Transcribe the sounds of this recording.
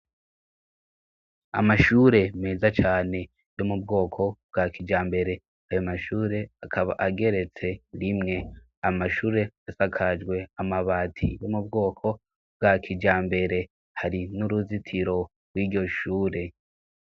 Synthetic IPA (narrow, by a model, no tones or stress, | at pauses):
a̰maʃuːɾe̞meːzat͡ʃaːne̞ | jo̞mub̚ɡo̞ːkʰo̞b̥̚ɡakid͡ʒaːmbe̞ɾe̞ | ajomaʃuːɾe̞akʰaβa̰ʔaɡe̞ɾe̞t͡se̞ɾimŋe̞ | amaʃuːɾe̞asakʰad͡ʒɡwe̞amaβaːtʰḭjo̞mub̚ɡo̞ːkʰo̞ | bɡaːkʰid͡ʒaːmbe̞ɾe̞ | haɾinuɾuzitʰiɾo̞ | ɡwiːɟo̞ʃuːɾe̞